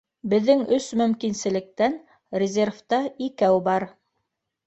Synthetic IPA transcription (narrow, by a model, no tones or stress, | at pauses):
bɘ̆ðːɘŋɵsmɵ̆mkinsɘ̆lɘ̆k̚t̪æn | rʲɪzʲerft̪ɑikæwbɑɾ